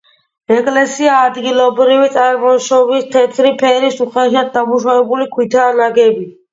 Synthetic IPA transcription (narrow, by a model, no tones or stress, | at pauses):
ɛkʼlɛsiaːd̪ɡilɔbɾivit̪sʼaɾmɔʃɔvist̪ʰɛt̪ʰɾipʰɛɾisuχɛʃad̪̚d̪amuʃavɛbulikʰwit̪ʰanaɡɛbi